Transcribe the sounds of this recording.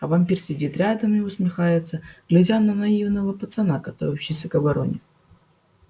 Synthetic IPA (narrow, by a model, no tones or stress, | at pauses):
ɐvamʲpʲirsʲɪdʲit̪ɾʲad̪əmɪʊsmʲɪxajɪt̪səɡ̥lʲɪzʲanɐnɐivnəvəpət̪sɐnakɐt̪o̰ɾopɕɪsʲɐkɐbɐɾo̰nʲɪ